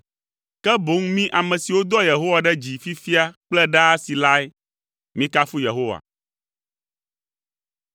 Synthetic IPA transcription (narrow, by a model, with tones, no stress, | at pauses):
kɛ˦bo˦ŋmĩ˦ʔa˨mɛ̃˨si˨wo˦d̪ɔ˦je˨ɦo˦wa˨ɖɛ˦d͡ʑi˨fi˦fi˦a˦k͡plɛ˦ɖa˦si˨la˦ɛ˦ | mĩ˦ka˦fu˦je˨ɦo˦wa̰˨